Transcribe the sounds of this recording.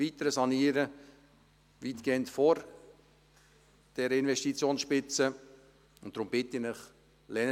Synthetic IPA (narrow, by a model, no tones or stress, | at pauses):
itəɾəsɑniːəɾə | vitɡ̥eːəntfɔɾ | d̥ɛɾəɪnvɛʃtit͡sjoːnsʃpɪt͡sə | ʊnt̚d̥ɾʊmb̥ɪtəɪnɪχ | lɛn